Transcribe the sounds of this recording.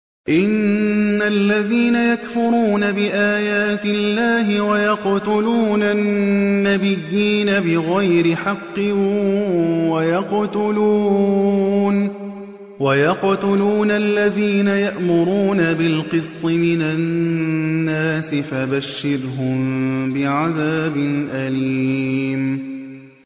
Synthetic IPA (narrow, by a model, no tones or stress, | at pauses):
ʔɪnːalːaðiːnajakfʊɾˤuːnabɪʔaːjaːt̪ɪlːaːɦɪwajɑqt̪ʊluːnanːabɪjːiːnabɪɣajɾɪħɑqːɨ | wajɑqt̪ʊluː | n | wajɑqt̪ʊluːnalːaðiːnajaʔmʊɾuːnabɪlqɨst̪ˤɨmɪnaː | aːsɪfabaʃːɪɾɦʊmbɪʕaðaːbɪnʔaliːm